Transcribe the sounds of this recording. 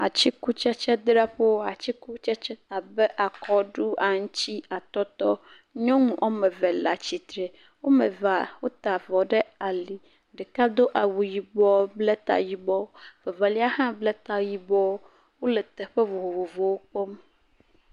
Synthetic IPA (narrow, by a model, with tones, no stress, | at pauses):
a˨t͡ɕi˦ku˦t͡ʃɛ˦t͡ʃɛ˦d̪ɾa˦ɸe˦wo˦a˨t͡ɕi˦ku˦t͡ʃɛ˦t͡ʃɛ˦t̪a˨bɛ˦ʔa˨kʰɔ˦ɖu˦a˨ŋ̩̃˦t͡ɕi˦a˨t̪ɔ˦t̪ɔ˦ | ɲɔ̃˦ŋũ˨ʔo˦mɛ̃˨vɛ˨la˨t͡ɕi˨t̪ɾe˨ | wo˦mɛ˨va˨wo˦t̪a˨vɔ˨ɖɛ˦a˨li˨ | ɖɛ˨ka˦d̪o˦ʔa˨wu˨ji˨bɔ˦blɛ˦t̪a̰˨ji˨bɔ˦vɛ˨va˨li˦a˦hã˦blɛ˦t̪a˨ji˨bɔ˦w | wo˦le˨t̪ɛ˨ɸɛ˦vo˨vo˨vo˨vo˨wo˦k͡pɔ˦m